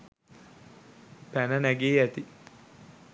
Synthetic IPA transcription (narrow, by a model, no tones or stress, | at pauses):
pænənæɡeːæt̪i